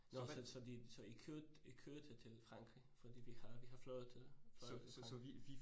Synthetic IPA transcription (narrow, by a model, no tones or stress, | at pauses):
nɔɒsɒd̥ḭːsɒ̽ikʰøɐdikʰøːɐd̥ʰet͡sʰe̝lfʁɑ̈ŋɡ̥ʁḭfɒd̥ḭːʋihɑʋiɦɑ̈flɔʊð̩ˠt͡sʰe̝lflɒii